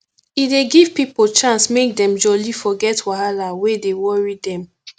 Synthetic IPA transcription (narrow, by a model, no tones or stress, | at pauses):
ideɡiv̥pipolt͡ʃãnsmek̚dɛ̃md͡ʒɔlifɔɡɛtwaɦalawedewɔɹidɛ̃m